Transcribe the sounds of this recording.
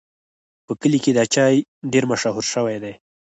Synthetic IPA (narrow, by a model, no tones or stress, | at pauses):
pəkəliked̪at͡ʃɑjɖeɾmaʃaɦuɾʃəwajd̪aj